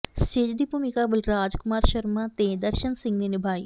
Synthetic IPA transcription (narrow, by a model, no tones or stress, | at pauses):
sʈeːd͡ʒd̪iːbʱuːmɪkaːbʊlɾaːd͡ʒkʊmaːɾʃəɾmãːt̪ed̪əɾʃənsɪ̃ŋɡniːnɪbʱaːḭː